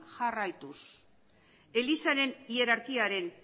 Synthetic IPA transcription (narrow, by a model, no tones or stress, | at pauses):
ʝarajt̪us | e̞lisaɾe̞nie̞ɾaɾkiaɾe̞n